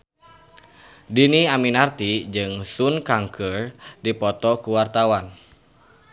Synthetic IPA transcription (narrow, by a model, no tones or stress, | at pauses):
diniaminart̪id͡ʒɨŋsunkaŋkʰərdipɔt̪ɔkuwart̪awan